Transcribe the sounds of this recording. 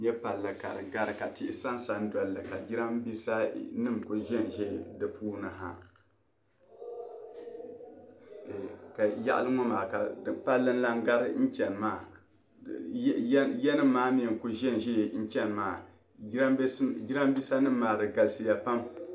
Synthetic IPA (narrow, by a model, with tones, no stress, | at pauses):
ɲɛ˦pa˨lːɨ˨ka̰˨ɾɨ̰˨ɡa˦ɾɨ˨ka˨tɪ˦ʔɪ˦sa˦n˦sa˨n̩˦dɔ˨lːɨ˨ka˨d͡ʒi˦ɾa˦mbi˦sa˦nɨ˦˨mkʊ˦ʒɛ˦˨nʒe˦˨dɨ˨pʰuː˦nɨ˨ɦa˦˨ | ka˨ja̰˦ʔa̰˦lɨ˦ŋɔ˦maː˨ka˨˦˨pa˦lːɨ˦n˦la˦ŋ˦ɡa˦ɾɨ˦n̩˦t͡ʃɛ˨n˨maː˦˨˦ | jɛ˦nɨ˦mː˦aː˦mi˦ɛ˨ŋ˨kʊ˦ʒɛ˦n˨ʒɛ˦˨n̩˦t͡ʃɛ˦n˨maː˨˦ | bd͡ʒi˦ɾa˦m˦bi˦sa˦nɨ˦mː˨aː˨dɨ˨ɡa˨lsɨ˨ja˨pa˦m